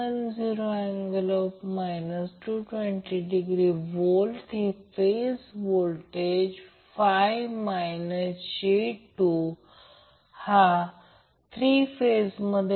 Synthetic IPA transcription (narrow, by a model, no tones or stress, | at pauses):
ənd͡ziɾoɛ̃ŋɡləpmajnəsʈuʈʋeɳʈiɖiɡɾiʋolʈefesʋolʈed͡ʑ | fajʋmajnəsɕeʈu | ha | t̪ʰɾifesməd̪ʱ